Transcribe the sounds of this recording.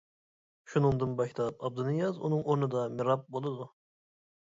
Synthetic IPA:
ʃunɨŋd̪ɨnbɑkʰt̪ʰɑp̚ɑb̚d̪ɨnɨjɑzṵnɨŋʔoɾnɨd̪ɑmɪɾɑp̚bolˠɨd̪u

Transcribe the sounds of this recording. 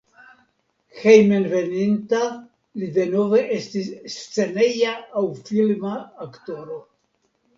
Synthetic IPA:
xejmenve̞ninta | lide̞no̞ve̞ʔe̞stisːt͡se̞ne̞jaːwfilmaːkto̞ɾo̞

